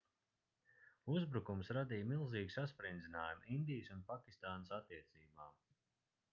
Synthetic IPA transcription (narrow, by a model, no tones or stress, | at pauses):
uzbɾukumsɾad̪iːjmilˠziːɡsaspɾind̪zinaːjumind̪ijsunpakʲi̥st̪aːnəsat̪ːiɛt̪siːbaːm